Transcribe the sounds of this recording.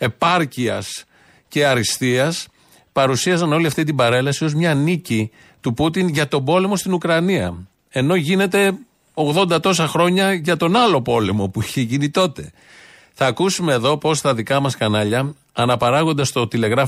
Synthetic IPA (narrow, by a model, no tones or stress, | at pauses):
e̞pɐɾciɐs | ce̞ɐɾist̪iɐs | pɐɾusiɐsɐno̞liɐft̪it̪̬imbɐɾe̞lɐsio̞zmɲɐnici | t̪uput̪inʝɐt̪o̞bo̞le̞mo̞st̪inukɾɐniɐ̰ | e̞no̞ʝine̞t̪e̞ | o̞ɣðo̞nd̪ɐt̪o̞s̬ɐxɾo̞ɲɐʝɐt̪o̞nɐlo̞po̞le̞mo̞puiçe̞ʝinit̪o̞t̪e̞ | θɐːkusume̞ːðo̞po̞st̪ɐðikɐmɐskɐnɐʎɐː | nɐpɐɾɐɣo̞nd̪ɐst̪o̞t̪ile̞ɣɾɐf